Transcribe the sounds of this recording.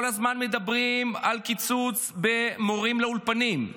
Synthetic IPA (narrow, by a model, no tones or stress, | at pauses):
olazmanme̞d̪abʁimalkit͡sut͡sbe̞moʁimleulpanim